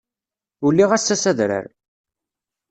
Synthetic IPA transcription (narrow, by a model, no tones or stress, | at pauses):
ulːiʁæsːæsæðɾə̰ɾ